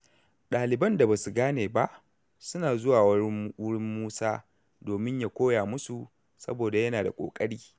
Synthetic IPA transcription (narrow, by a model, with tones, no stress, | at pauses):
ɗaː˨lɪ˨bɐ˦nda˨ba˨su˨ɡaː˦neː˨ba˦ʔ | sʊ˦naː˨zʊ˦waː˨wɽɪ˦mːuː˦saː˦ | doː˨mɪ˦ɲja˨kʷoː˦jaː˨mʊ˦su˨ | sɐ̰˦boː˨da˨jɐ˦naː˨da˨kʷʼo̰ː˨kʼɐ˦ɽiː˦